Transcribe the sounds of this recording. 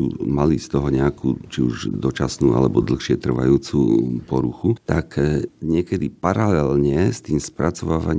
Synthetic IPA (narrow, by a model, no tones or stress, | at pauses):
uːmalist̪ɔɦɔɲɛakṵːt͡ʃiuʒd̪ɔt͡ʃasnuːa̰lɛbɔd̪l̩xʃɪɛt̪r̩ʋa̰juːt͡suːpɔɾuxut̪akɲɪɛkɛd̪ipaɾalɛlɲɛst̪iːmspɾat͡sɔʋaːʋaɲ